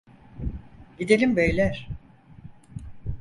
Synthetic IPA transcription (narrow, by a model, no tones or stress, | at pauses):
ɟid̪elʲimbøjlʲæɾ̥